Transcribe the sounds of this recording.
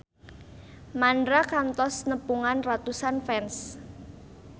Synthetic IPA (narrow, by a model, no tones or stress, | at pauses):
mandɾakant̪ɔsnəpuŋanrat̪usanfɛns